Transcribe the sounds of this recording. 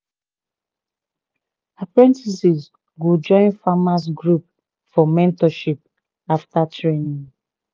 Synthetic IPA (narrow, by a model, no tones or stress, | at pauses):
apɹɛ̃ntisis | ɡod͡ʒɔ̃ɪ̃nfamas̬ɡɹup̚ | fɔmɛ̃ntɔʃip̚ | aftatɹenĩŋ